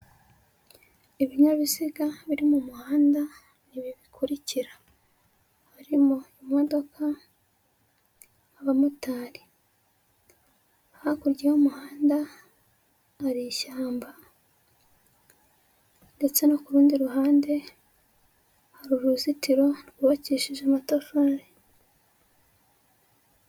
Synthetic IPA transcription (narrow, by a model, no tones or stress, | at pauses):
eβiɲaβisiɡaβiɾimumuhaːnda | niβiβikʰuɾiciɾḁ | haɾimoimo̞do̞kʰa | βamutaːɾi | ahakuɾɟehumuhaːnda | ɾiʃaːmba | nde̞t͡se̞nokuɾuːndiɾuɦaːnde̞ | haɾuɾuzitiɾo̞niɡuβaciːʃiʒamatofoɾe